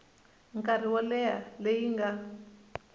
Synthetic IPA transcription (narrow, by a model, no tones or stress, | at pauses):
ŋkʼar̤iwalɛjalejiŋɡa